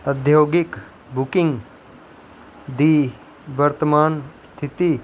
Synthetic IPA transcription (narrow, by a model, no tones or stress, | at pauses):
əd̪ʱjoːɡik | bukɪ̃ŋɡ | d̪iː | ʋɐɾt̪əmaːnst̪ʰit̪i